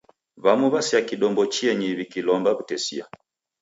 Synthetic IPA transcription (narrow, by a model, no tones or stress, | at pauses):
βamuβasiakiɗɔmbɔt͡ʃiɛɲiβikilɔmbaβutɛsḭa̰